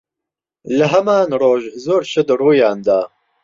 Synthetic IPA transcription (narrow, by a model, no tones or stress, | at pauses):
ləɦɛmaːnɾoːʒzoːɾʃʰɨd̪ruːjɑːnd̪ɑː